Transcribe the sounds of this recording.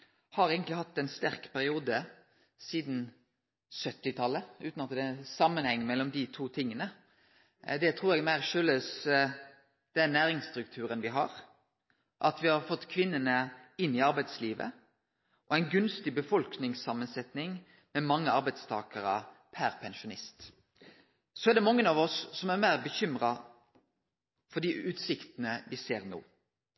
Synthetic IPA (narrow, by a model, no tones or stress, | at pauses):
hɑɾeːɡənt̪lɪhɑt̪ːɛnst̪æʁkpʰæɾɪuːd̪ə | siːd̪n̩ | sœt̪ːɪt̪ʰɑlːəʉ̰ːt̪nɑt̪ːd̪ɛsɑmːənhɛŋːmɛlːɔmd̪ɪt̪ʰuːt̪ʰɪŋːənə | d̪ɛt̪ʰʁuːɾɛɡmæɪʁʃøːløːs | d̪̥ɛænæːɾɪŋst̪ɾʉk̚t̪ʰʉːɾənʋɪɦɑ̰ʁ | ʔɑt̪ʋɪhɑʁfɔt̪ːkʰʋɪnːənəɪnːɪɑɾbæɪt̪sliːʋə̰ | ʔɔæɪnɡʉnst̪ɪbəfɔlknɪŋsɑmːənsɛt̪nɪŋ | mɛmɑŋːəɑɾbæɪt̪st̪ʰɑːkəɾɑ̰pʰæɾpʰɛnʃʊnɪst̪ | sɔæd̪ɛmɑŋːənɑʋɔsːɔmæɾmæɪʁbəçʏmʁɑ | fɔɖ̪iʔʉːt̪sɪkt̪ənəʋɪseːɾno̰ː